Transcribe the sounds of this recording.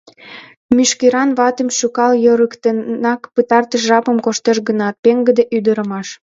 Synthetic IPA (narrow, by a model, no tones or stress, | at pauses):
myʃkeɾɑnβɑt̪əmʃukɑljəɾəkt̪ənɑkpət̪ɑrt̪əʃʒɑpəmkoʃt̪eʃɡənɑt̪̚peŋɡəd̪eʔyd̪əɾəmɑʃ